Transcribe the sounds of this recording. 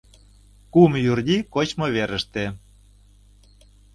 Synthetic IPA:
kumjurd̪ʲikot͡ɕmoβeɾə̆ʃt̪e

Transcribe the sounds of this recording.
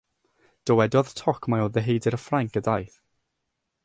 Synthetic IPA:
d̥əwɛdɔðtʰɔkʰmajoːðəɦejdɪɾəfraŋkədajθ

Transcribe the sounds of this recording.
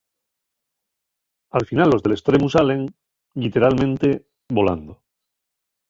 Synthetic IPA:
alfinalːo̞zðe̞le̞st̪ɾe̞musale̞ŋ | lit̪e̞ɾalmẽ̞nt̪e̞ | βo̞la̰nd̪o

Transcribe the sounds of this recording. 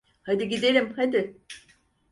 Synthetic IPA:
had̪iɡid̪elʲimhad̪ɪ

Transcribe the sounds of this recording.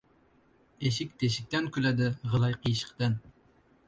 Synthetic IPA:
eʃɪk̚ʲt̪ʰeʃ̬ɪk̚ʲt̪ɛnkʲylɛd̪ɪʁəlˠɑjqʰəjʃə̥qt̪ɛn

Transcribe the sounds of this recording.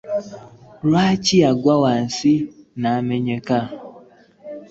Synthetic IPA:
ɾat͡ʃiaɡʷawan̩sinaameɲeka

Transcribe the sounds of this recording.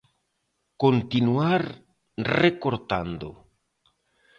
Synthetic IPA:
kont̪inuaɾ | rekoɾt̪a̰nd̪o̰

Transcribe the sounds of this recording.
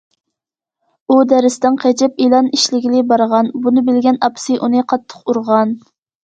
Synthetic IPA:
ud̪æɾɪst̪ɪŋqʰæt͡ʃɛp̚ilˠɑniʃlɪɡʲilɪbɑɾʁɑnbunɨbɪlɡʲɛnɑpsɨʔunɨqʰɑt̪ʰːə̥quɾʁɑn

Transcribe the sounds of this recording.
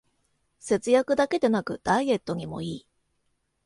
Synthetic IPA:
se̞t͡sɨjakɯ̟d̪ake̞d̪e̞nakɯ̟d̪̥aiɡe̞t̪ːo̞ɲ̟imo̞̰iː

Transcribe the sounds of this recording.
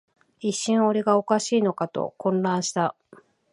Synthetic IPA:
iɕːĩɰ̃o̞ɾe̞ɡao̞kaɕiːno̞kat̪o̞̰kõ̞nɾãɰ̃ɕi̥t̪a

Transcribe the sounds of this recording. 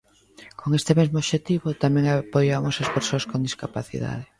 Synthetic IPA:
kʰoŋest̪ɪmezmoβʃet̪iβot̪amɛ̃ŋapojamosɐspeɾsoɐskond̪iskapaθḭða̰ðe

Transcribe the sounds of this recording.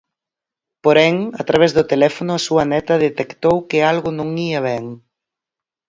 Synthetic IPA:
poɾɛŋɐt̪ɾaβ̞ɛzðʊt̪elɛfonʊɐsuɐnɛt̪ɐðet̪ekt̪owkɪalɣʊnõŋiɐβɛŋ

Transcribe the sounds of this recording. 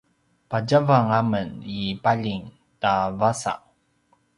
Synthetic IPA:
paɟavaŋamənipaʎiŋ | tavasa̰ʔ

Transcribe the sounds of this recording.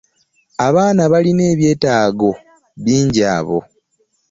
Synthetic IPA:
aβaːnaβaline̞ːβje̞ːtaːɡo̞ | βiːɲɟaːβo̞̰

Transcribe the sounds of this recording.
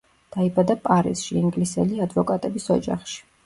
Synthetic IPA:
d̪̥aibad̪apʼaɾisʃiːŋɡlisɛliad̪vɔkʼat̪ʼɛbisɔ̰d͡ʒa̰χʃi̥

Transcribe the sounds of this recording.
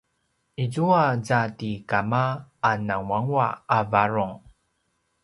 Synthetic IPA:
izuazatikamaːnawaŋwaavaɹuŋ

